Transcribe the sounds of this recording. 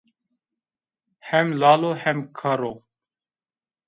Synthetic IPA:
hɛmlaːloːhɛmkʰəɾoː

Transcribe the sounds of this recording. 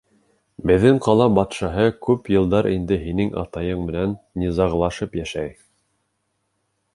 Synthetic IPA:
bɘ̆ðːɘɴqɑlˠɑbɑt̪ʃɑɦɤkʉpjɤ̆lˠd̪ɑɾʔind̪ɘɦinɘŋʔɑ̰t̪ɑjɤɴmɘ̆nænːʲizɑʁlˠɑʃɤpjæʃæj

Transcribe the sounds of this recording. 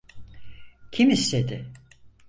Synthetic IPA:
cʰimist̪ed̪ɪ

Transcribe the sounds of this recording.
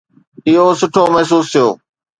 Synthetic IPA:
ɪɦosʊʈʰomɐɦs̬uːst̪ʰɪjo̰ː

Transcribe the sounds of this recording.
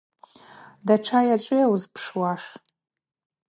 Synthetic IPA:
daʈ͡ʂʰajaʈ͡ʂʼɨjawzpʰʂwaʂ

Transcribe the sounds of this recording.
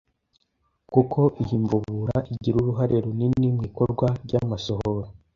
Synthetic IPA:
kukʰo̞ʔihiɱvuβuɾaʔiɟiɾuɾuɦaɾe̞ɾuninimŋiːko̞ɾɡwaɾɟamasohoɾo

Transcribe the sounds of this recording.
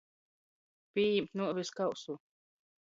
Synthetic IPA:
piːjimt̪nuviskawsu

